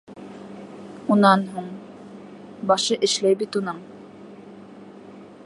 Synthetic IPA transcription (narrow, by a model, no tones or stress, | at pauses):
unɑnɦuɴ | bɑʃɤʔɘ̆ʃlæjbit̪unɤɴ